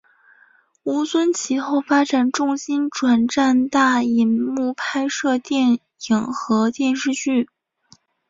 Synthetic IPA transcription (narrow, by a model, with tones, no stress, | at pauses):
u˧˥swə˥nt͡ɕʰi˧˥xo˥˩ʊfa˥ʈ͡ʂa˨˩nʈ͡ʂʊ˥˩ŋɕi˥nʈ͡ʂwa˨˩nʈ͡ʂa˥˧nt̪a˥˩i˧˥nmu˥˩pʰa˥ɪʂɤ˥˧t̪jɛ˥˩n | i˨˩ŋxɤ˧˥t̪jɛ˥˧nʂɻ̩˥˧t͡ɕy˥˩